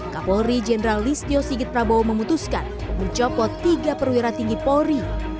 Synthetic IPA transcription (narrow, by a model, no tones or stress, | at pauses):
kapɔɾid͡ʒɛnəɾalːist̪iosiɡɪt̪̚pɾaboməmut̪uskan | məɲt͡ʃɔpɔt̪ːiɡapəɾwiɾat̪iŋɡipɔɾi